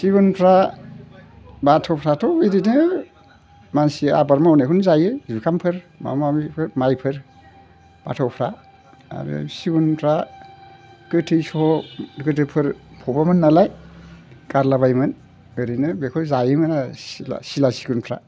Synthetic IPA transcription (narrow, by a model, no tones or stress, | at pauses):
siɡunpʰɾa | batʰɔpʰɾatʰɔeɾinɯ | mansia̰baɾmaunekʰunzajɯzukʰampʰɯɾma̰mamipʰɯɾmajpʰɯɾ | b̥atʰɔwpʰɾa | a̰ɾɯ̰siɡunpʰɾa | kɯtʰɯjsɔɔkɯtɯpʰɯɾpʰɔbamɯnːalaj | kaɾlaβajmɯn | ɯɾinɯbekʰɔzajɯmɯnasa̰silasiɡunpʰɾa̰